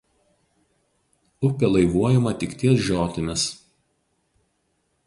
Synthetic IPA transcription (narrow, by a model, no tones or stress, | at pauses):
ʊpʲɛlˠɐɪʋuɔjɛmɐt̪ʲɪkt̪ʲiɛsʒʲoːt̪ʲɪmʲɪs